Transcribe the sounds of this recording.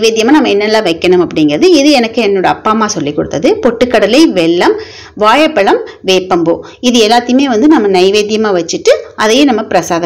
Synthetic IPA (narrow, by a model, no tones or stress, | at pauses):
ʋeːðjɐmaːnɐmːɐɛnːɐlːãːʋɐɪkːɐɳʊmɐpːɐɽɪŋɡɪɾɐðɯɪðɯɛnɐkːɯɛnːoːɽɐɐpːaːmaːsɔlːikːɔɽɯt̪ːɐðɯpɔʈːɯkːɐɽɐlɐɪʋɛɭːɐm | ʋaːjɐpːɐɭɐmʋeːpːɐmbo̰ː | ɪðɯɛlːaːt̪ːɪjɯmeːʋɐnd̪ɯnɐmːɐnɐɪʋeːðjɐmaːʋɐt͡ʃːɯʈːɯʔɐðɐjeːnɐmːɐpɪɾɐsaːðɐ